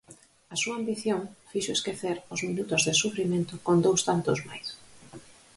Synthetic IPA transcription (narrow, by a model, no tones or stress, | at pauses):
ɐsuɐːmbiθjoŋfiʃoeskeθeɾʊzminut̪ʊzðesufɾimẽnt̪ʊkond̪owst̪ant̪ʊzmajs